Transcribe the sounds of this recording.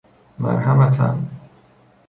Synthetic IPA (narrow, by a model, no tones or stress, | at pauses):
ma̰ɾhamat̪ʰa̰n